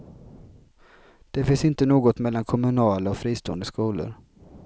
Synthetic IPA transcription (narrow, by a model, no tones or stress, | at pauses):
d̪̥ɛfɪnsɪnt̪ənoːɡɔt̪mɛlːankʰɔmɵnɑːlɔfɾiːst̪ṵːə̰nd̪əskuːlə̰ɾ